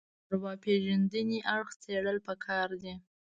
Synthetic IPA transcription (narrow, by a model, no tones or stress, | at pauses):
ɾwɑpeʒand̪əniʔaɽxt͡seɽəlpəkʰɑɾd̪i